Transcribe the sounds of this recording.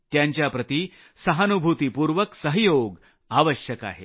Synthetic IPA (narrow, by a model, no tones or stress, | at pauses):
t̪jaɲt͡ɕjapɾət̪iː | səɦanubʱut̪ipuːɾʋəksəɦjoɡ | aʋəɕjəka̰ɦḛ